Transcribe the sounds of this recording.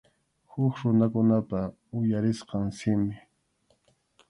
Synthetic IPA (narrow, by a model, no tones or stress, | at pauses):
hʊkɾʊnakʊnapa | ʊjaɾɪsqɑŋsɪmɪ